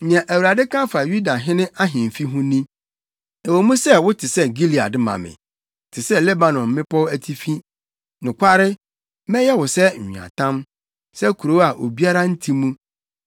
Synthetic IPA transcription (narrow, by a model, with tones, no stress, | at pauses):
ɲĩ˨ã˨ʔæ˨wu˨ɾa˨dɪ˦kʰã˦fa˨ju˦da˨ɦɪ̃˦nɪ̃˦ʔa˦ɦɪ̃˨m˨fi˦ɦʊ̃˦nĩ˦ | ɛ˨wo˨mũ˦sɛ˦wʊ˦tʰɪ˨sɛ˦ɡi˦li˨a̰˨dɪ˦mã̰˨mɪ̰̃˨ | tʰɪ˨sɛ˦lɛ˦ba˨nɔ̃˨mː˦ɪ̃˦pʰɔ˦wæ˦tʰi˦fi˦ | nʊ̃˨kʷʰa˦ɾɪ˦ | mɛ̃˦jɛ˦wʊ˨sɛ˦ɲ̩˨ɲ˨ã̰˨tʰã˦m | sɛ˦kʰu˨ɾo˦a˨ʔo̰˨bi˦a˦ɾa˦n̩˦tʰi˦mũ˦